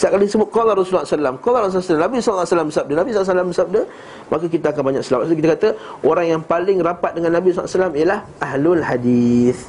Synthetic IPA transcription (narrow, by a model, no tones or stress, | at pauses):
saʔ̚kalisəbʊt̪̚kolaɾosulːsalamkolaɾɔsulasalamnabisɔllːsalambəsap̚dənabisɔlasalambəsap̚də | mʔakakit̪aakanbaɲak̚səlawat̪̚ukit̪əkat̪əʔoɾaŋjaŋpalɪŋɾapat̪̚dəŋanːãbisɔlʔsalamijəlahʔaɦlʊlhadiθ